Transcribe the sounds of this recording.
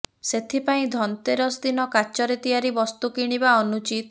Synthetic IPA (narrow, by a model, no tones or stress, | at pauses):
set̪ʰipaĩd̪ʱɔnt̪eɾɔsd̪inɔkat͡ʃɔɾet̪ijaɾibɔst̪ukiɽ̃ibaɔnut͡ʃit̪